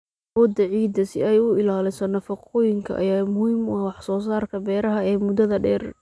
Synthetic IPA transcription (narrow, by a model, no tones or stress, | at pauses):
wɔːd̪ɐʕiːd̪ɐsɪ̰ɛjʊɪlaːlɪsɔnɐfɐqɔːjɪŋkʰɐ̰ʔɐ̰jaːmʊhiːmʊhwɑħsɔːsaːrkʰɐbɛːɾɐɦɐɛːmʊd̪ɐðɐɖɛːr